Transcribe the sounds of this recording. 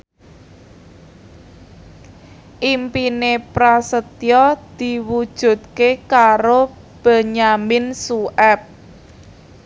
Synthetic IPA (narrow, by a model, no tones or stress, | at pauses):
ʔimpinepɾasət̪jɔd̪̥i̤wud̥ʒ̥ṳt̪̚kekaɾo | b̥ə̤ɲamɪnsuʔɛp̚